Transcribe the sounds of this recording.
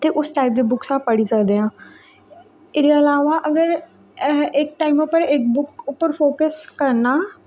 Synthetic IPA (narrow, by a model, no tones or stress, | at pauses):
t̪eːʔʊsʈaːɪp̚d̪eːbʊksaːpəɽiːsəkd̪eːãː | ɪɾeəlaːʋaːʔəɡəɾ | ɪkʈaːɪmʊpːəɾɪkbʊkʊpːəɾfʰoːkəskəɾnaː